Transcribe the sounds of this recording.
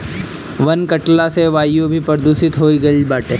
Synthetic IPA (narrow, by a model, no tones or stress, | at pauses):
ʋɐnkɐʈlaseʋaːjubʱipɐɾd̪uːsɪt̪ɦoːiɡɐibaːʈẽː